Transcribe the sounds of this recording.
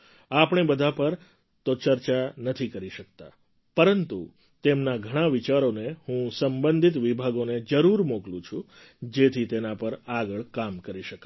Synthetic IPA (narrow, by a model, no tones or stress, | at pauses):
apɳ̃ebəd̪ʱapəɾ | t̪ot͡ʃəɾt͡ʃanət̪ʰikəɾiʃək̚t̪a̰ | pəɾənt̪ṵ | t̪emnaɡʱəɽ̃ãʋit͡ʃaɾonehũsəmbənd̪ʱit̪ʋibʱaɡoned͡ʒəɾuɾmoklũt͡ʃʰu | d͡ʒet̪ʰit̪enapəɾaɡəɭkamkəɾiʃəka